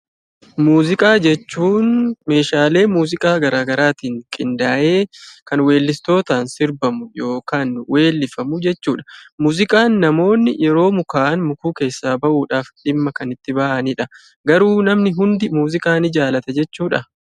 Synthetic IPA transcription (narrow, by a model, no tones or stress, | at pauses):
muːzɪkʼaːd͡ʒɛt͡ʃːuːnme̞ːʃaːle̞ːmuːzɪkʼaːɡɐɾaːɡɐɾaːt̪iːŋkʼɪnd̪aːʔe̞ːkɐnwe̞ːlːɪst̪o̞ːt̪aːnsɪɾbɐmʊjo̞ːkaːnwe̞ːlːɪfɐmʊd͡ʒɛt͡ʃːuːᶑɐmuːzɪkʼaːnːɐmo̞ːnːɪjɛɾo̞ːmʊkaːʔnmʊkuːke̞ːsːaːbɐʔuːᶑaːfᶑɪmːɐkɐnɪt̪ːɪbɐʔɐnɪᶑɐ | ɡɐɾuːnɐmnɪɦʊnd̪ɪmuːzɪkʼaːnɪd͡ʒaːlɐt̪ɛd͡ʒɛt͡ʃːuːᶑɐ